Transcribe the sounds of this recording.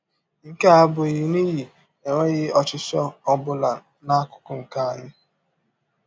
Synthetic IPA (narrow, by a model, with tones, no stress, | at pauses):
ŋ̩˨ke˦a˦bʊ˨ɣi˨ni˦ɣi˨ | e˨ŋʷe˦ɣɪ˦ɔ˨t͡ʃɪ˨sɔ˦ɔ˨bʊ˨la˨ | na˦kʊ̥˦kʊ˨ŋ̩˨ka˦a˨ɲɪ˦